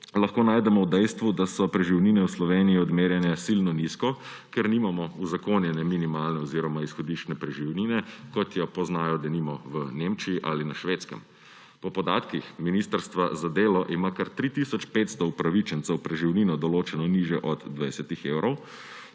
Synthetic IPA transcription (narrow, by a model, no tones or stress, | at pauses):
lɐxkoːnaːjd̪ɛmɔwd̪ɛjst̪ʋud̪asɔpɾɛʒiwninɛwslɔʋeːniiɔd̪meːɾjɛnɛsilnɔniskɔ | kɛɾniːmamɔuzakoːnjɛnɛminimaːlnɛɔziːɾɔmaisxɔd̪iʃt͡ʃnɛpɾɛʒiwninɛkɔt̪jɔpɔznaːjɔd̪aniːmɔʋənemt͡ʃiiʔa̰ːlinaʃʋeːt̪skə̰m | pɔpɔd̪a̰ːt̪kixminiːst̪əɾst̪ʋazad̪eːlɔʔimakaɾt̪ɾit̪isɔt͡ʃpet̪st̪ɔupɾaʋit͡ʃɛnt̪sɛwpɾɛʒiwninɔd̪ɔloːt͡ʃɛnɔniʒjɛʔɔd̪d̪ʋajsɛt̪ixewɾɔw